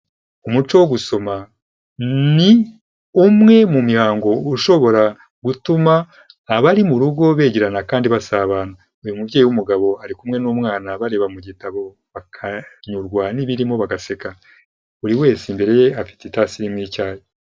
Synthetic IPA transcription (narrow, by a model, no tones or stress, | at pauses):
umut͡ʃo̞woɡuso̞ma | ni | umŋe̞mumihaːŋɡo̞uʃo̞βo̞ɾa | ɡ̥utumaː | βaɾimuɾuɡo̞βe̞ːɟiɾanakaːndiβasaːβaːna | ujumuvɟejiwumuɡaβo̞aɾikumŋe̞numŋaːnaβaɾe̞ːβamuɟitaβo̞ | βakʰaɲuɾɡwaniβiɾimo̞βaɡase̞ka | uɾiwe̞ːsimbe̞ɾe̞je̞afi̥tetasiɾimŋiːcaːje